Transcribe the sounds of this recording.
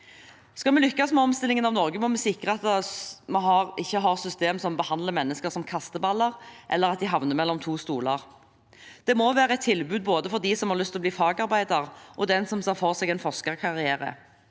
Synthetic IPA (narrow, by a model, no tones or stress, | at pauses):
skɑlmɛlʏkːɑsmɛɔmst̪ɪlɪŋənɑʋnɔʁɡəmɔmɛsɪkʁəɑt̪mɑɦɑʁɪçːəɦɑːʁsʏst̪eːmsɔmbəhɑnd̪ləmɛnːəskəʁsɔmkʰɑst̪əbɑlːəʁʔɛ̰lːəɾɑt̪̚d̪ɪɦɑʋnəmɛlːɔmt̪ʰuːst̪uːlɑʁ | d̪̥ɛmoʋæːʁəɛt̪ʰːɪlbʉːd̪̚boːd̪əfɔʁd̪isɔmhɑʁlʏst̪ɪlɔbliːfɑːɡɑɾbæɪd̪əʁʔɔd̪ɛnsɔmsɑfɔʁsɛɡɛnfɔʁskəʁkʰɑʁɪæːɾə̰